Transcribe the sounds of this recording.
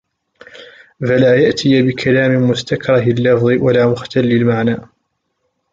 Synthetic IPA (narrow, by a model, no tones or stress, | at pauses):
falaːjaʔt̪ʰɪjabɪkʰalaːmɪmʊst̪akɾˤɑhɪlːɑfðˤɨwalaːmʊxt̪alːɪlmaʕnaː